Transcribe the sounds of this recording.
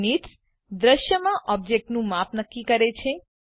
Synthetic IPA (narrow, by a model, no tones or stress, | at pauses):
nit̪s | d̪ɾəʃjəmãʔɔb̚d͡ʒek̚ʈnũmapnəkːikəɾet͡ʃʰe